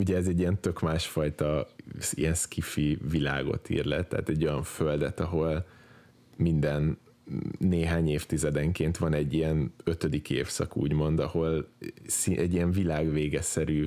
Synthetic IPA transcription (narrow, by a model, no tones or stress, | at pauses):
uɟɛɛzɛɟːijɛnt̪ø̞kmaːʃfɒjt̪ɒḭjɛnskʰifivila̰ːɡo̞̰t̪ʰḭːrlɛ̰t̪ːɛ̰ɦːt̪ɛɟːo̞jɒɱføld̪ɛt̪ɒɦo̞l | mind̪ɛnː | eːɦaːɲeːft̪izɛd̪ɛŋkeːnt̪ʋɒnɛɟːijɛnøt̪ød̪ikeːfsɒ̰kṵːɟmo̞nd̪ɒho̞lsiʔɛɟːijɛɱvilaːɡveːɡɛsɛɾyː